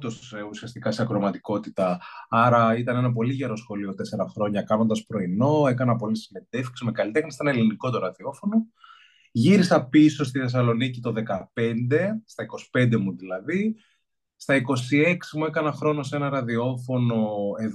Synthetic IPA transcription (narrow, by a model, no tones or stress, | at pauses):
t̪oseusiɐst̪ikɐseɐkɾo̞mɐt̪i̥ko̞t̪it̪ɐɐɾɐit̪ɐnenɐp̬o̞liʝe̞ɾo̞sxo̞lio̞t̪e̞se̞ɾɐxɾo̞ɲɐkɐno̞nd̪ɐspɾo̞ino̞e̞kɐnɐpo̞lisime̞nd̪efkszmekɐlit̪exnɐst̪enɐeliniko̞t̪o̞ɾɐðio̞fo̞no | ʝiɾisɐpiso̞st̪iθe̞s̬ɐlo̞nicit̪o̞ðe̞kɐpe̞nd̪e̞st̪ɐiko̞si̥pe̞nd̪emuðilɐði | st̪ɐiko̞sie̞ksimue̞kɐnɐxɾo̞no̞se̞nɐɾɐðio̞fo̞no̞e̞ð